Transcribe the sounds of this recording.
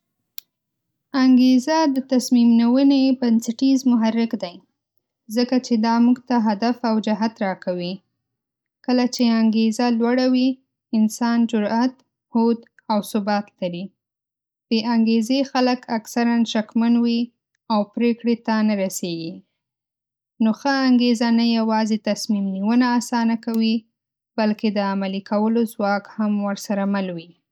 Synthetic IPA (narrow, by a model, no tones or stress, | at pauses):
aŋɡezad̪ət̪asmimnawənebansaʈizmʊɦaɾːɪkd̪aj | zəkat͡ʃed̪ɑmuɡt̪aɦad̪afawd͡ʒaɦat̪ɾɑkawi | kəlat͡ʃeaŋɡezalwaɽawi | ɪnsɑnd͡ʒʊɾat̪ | hod̪ | awsʊbɑt̪laɾi | b̥eʔaŋɡezexaləkaksaɾanʃakmanwi | awpɾekɽet̪anaɾaseɡi | noxəaŋɡezanajawɑzet̪asmimniwənaːsɑnakawi | balked̪əamalikʰawəlozwɑkhamwəɾsaɾamalwi